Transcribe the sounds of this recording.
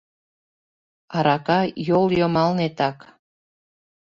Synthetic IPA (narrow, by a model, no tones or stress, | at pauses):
ɑɾɑkɑjoljomɑlnet̪ɑk